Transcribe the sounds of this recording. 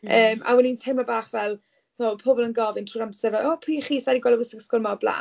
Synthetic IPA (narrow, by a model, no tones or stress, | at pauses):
əːmʔa̰wɛnintʰemabaːχvɛlˠ | ɔpʰobɔlˠənɡɔvɪntʰruːamsɛrvaɔːpʰiːχiːsadiɡwɛlˠwɪsɪɡskɔlˠmablˠa̰ː